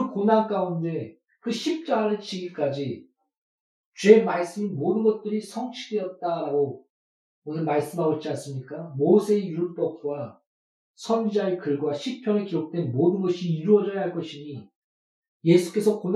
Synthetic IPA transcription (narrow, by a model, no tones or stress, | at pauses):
konank͈aunde̞ | kɯɕʰip̚t͡ɕ͈aɾɯt͡ɕ͈iɡik͈ad͡ʑi | t͡ɕwe̞maɭs͈ɯmimodɯnɡʌt̚t͈ɯɾisʰʌŋt͡ɕʰidejʌt̚t͈aɾaɡo | onɯnmaɭs͈ɯmɦaoɭt͡ɕ͈ians͈ɯmɲik͈amosʰe̞juɭp͈ʌp̚kwa | sʰʌnd͡ʑid͡ʑaekɯɭɡwaɕʰipʰjʌŋekiɾok̚t͈we̞nmodɯnɡʌɕʰiːɾuʌd͡ʑʌjaɦaɭk͈ʌɕʰiɲi | je̞sʰu̥k͈e̞sʰʌkon